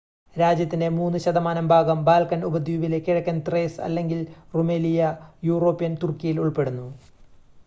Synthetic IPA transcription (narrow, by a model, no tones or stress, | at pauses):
ɾaːd͡ʑjɐt̪ːinde̞muːnːuɕɐd̪ɐmaːnɐmbʱaːɡɐmbaːlkɐnubɐd̪ʱjuːʋile̞kːiɻɐkʲːɐnt̪reːsɐ̰lːe̞ŋɡilrumelijɐjuːro̞ːpːijɐnt̪urkijiluɭpe̞ɽunːu